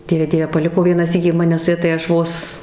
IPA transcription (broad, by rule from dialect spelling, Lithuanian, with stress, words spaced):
ˈdʲiɛʋʲɛ ˈdʲiɛʋʲɛ pɐˈlʲɪkoː ˈʋʲiɛnɑː ˈsʲiːkʲiː ˈmɑːnʲɛ sʊ ˈjɛ tɐɪ ˈɐʃ ˈʋoːs